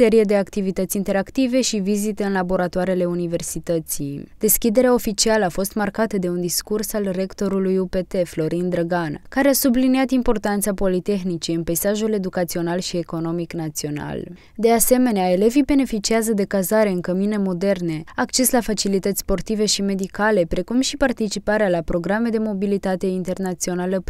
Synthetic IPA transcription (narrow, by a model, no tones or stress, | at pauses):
e̞ɾije̞d̪e̞akt̪ivit̪ət̪sʲint̪e̞ɾakt̪ive̞ʃivizit̪e̞ɨnlabo̞ɾat̪oaɾele̞unive̞rsit̪ət̪sid̪̥e̞skʲid̪e̞ɾeao̞fit͡ʃialəafo̞st̪markat̪əd̪e̞und̪iskursalre̞kt̪o̞ɾulujupe̞t̪e̞flo̞ɾind̪ɾəɡankaɾeasubliniat̪impo̞rt̪ant̪sapo̞lit̪e̞xnit͡ʃiɨnpejsaʒule̞d̪ukat̪sio̞nalʃie̞ko̞no̞miknat̪sio̞na̰l | d̪e̞ase̞me̞neae̞le̞vibe̞ne̞fit͡ʃiazəd̪e̞kazaɾe̞ɨŋkəmine̞mo̞d̪e̞rne̞akt͡ʃe̞slafat͡ʃilit̪ət̪ʲspo̞rt̪ive̞ʃime̞d̪ikale̞pɾe̞kumʃipart̪it͡ʃipaɾealapɾo̞ɡɾame̞d̪e̞mo̞bilit̪at̪e̞int̪e̞rnat̪sio̞nalə